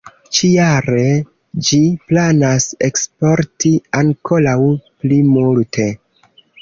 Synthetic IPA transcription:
t͡ʃijaɾe̞ | d͡ʒiplanase̞kspo̞ɾtiaŋkʰo̞lawplimultʰe̞

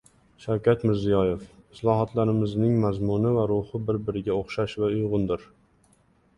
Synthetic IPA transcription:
ʃawkʲʰat̪mɪɾzɪjɒje̞fɪslˠɒɦɒt̪ʰlaɾɪmɪznɪŋmazmʊnɪvaɾʊhɪbɪɾbɪɾɪɡʲaoχʃaʃvaʊjʁʊnd̪ɪɾ

